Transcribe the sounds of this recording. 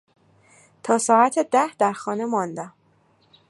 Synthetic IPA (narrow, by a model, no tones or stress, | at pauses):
t̪ʰɒːsɒːæt̪ʰed̪æhd̪æɾxɒːne̞mɒnd̪æm